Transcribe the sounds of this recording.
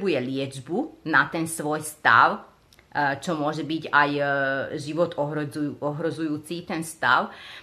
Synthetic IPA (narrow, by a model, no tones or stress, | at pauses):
bujɛlɪɛd͡ʒbunat̪ɛnsʋɔjst̪a̰ʊ | t͡ʃɔmʊɔʒɛbiɟajʒiʋɔt̪ɔɦɔɦɾɔzujuːt͡siːt̪ɛnst̪a̰ʊ